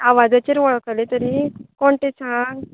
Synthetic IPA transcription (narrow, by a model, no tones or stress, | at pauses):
aʋad͡zat͡ɕiːɾʋəɭkəlet̪əɾikoɳʈ̪et͡sa